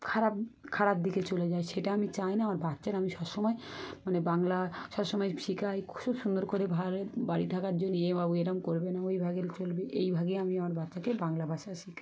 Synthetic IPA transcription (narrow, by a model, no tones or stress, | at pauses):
kʰaɾap̚kʰaɾap̚d̪ʱiket͡ɕoled͡ʑaeʃeʈaamit͡ɕajnaamaɾbatːɕaɾamiʃɔbʃɔmɔemanebaŋlaʃɔbʃɔmɔjʃikʰajkʰʃʰubʃund̪oɾkoɾebʱalbaɾit̪ʰakaɾd͡ʑonːiebabueɾamkoɾbenaojbʱaɡelt͡ɕolbeʔejbʱaɡeamiamaɾbatːʃakebaŋlabʱaʃaʃikʰa